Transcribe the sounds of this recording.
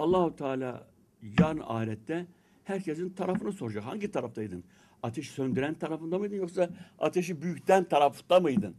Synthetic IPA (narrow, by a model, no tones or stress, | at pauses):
ɑlˠːɑhut̪ʰaːlʲa̰ | jaɾɯna̰ːiɾɛt̪ːɛ | hæɾcʰɛs̬int̪ʰaɾafɯnɯsoɾd͡ʒaha̰ɲɟit̪ʰaɾaft̪ajd̪ɯn | at̪ʰɛʃsønd̪yɾænt̪ʰaɾafɯnd̪amɯjd̪ɯnjoχsɑa̰t̪ʰɛʃibyjyct̪ænt̪ʰaɾafu̥t̪d̪amɯjd̪ɯn